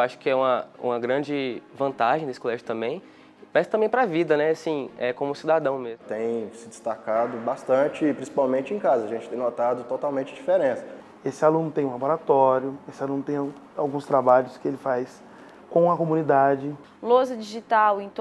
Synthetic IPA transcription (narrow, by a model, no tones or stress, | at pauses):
waʃʊ̥kɪɛũmɐũmɐɡɾɐ̃d͡ʒɪvɐ̃nt̪aʒẽd̪esɪ̥kolɛʒʊt̪ɐ̃mbẽj̃ | mɛst̪ɐ̃bẽj̃pɾɐvid̪ɐnɛasĩɛkõmʊsid̪ad̪ɐ̃w̃mezmt̪ẽj̃sɪd͡ʒɪst̪akad̪ʊbast̪ɐ̃t͡ʃɪpɾĩsi̥pawmẽnt͡ʃɪẽkazɐʒẽnt͡ʃɪ̥t̪ẽj̃not̪ad̪ʊt̪ot̪awmẽt͡ʃɪd͡ʒifeɾẽsɐ̥ | esɪalũnʊt̪ẽj̃ũlaboɾat̪ɔɾjʊesɪalũnʊt̪ẽj̃ | awɡũst̪ɾabaʎʊskɪelɪfajs | kõɐkomũnid̪ad͡ʒɪ | lozɐd͡ʒiʒit̪awẽt̪